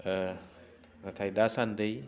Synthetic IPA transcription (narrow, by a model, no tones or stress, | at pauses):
ɾatʰajdasandɯj